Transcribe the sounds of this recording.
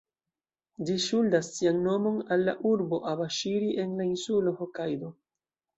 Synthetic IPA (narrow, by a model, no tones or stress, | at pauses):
d͡ʒiʃuldasːiaŋno̞mo̞nalːa̰ʔuɾbo̞ʔabaʃiɾiʔe̞nlainsulohokajdo̞